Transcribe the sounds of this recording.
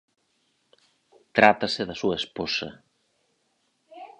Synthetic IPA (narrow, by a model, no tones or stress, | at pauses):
t̪ɾat̪ɐsɪðɐsuɐesposɐ̰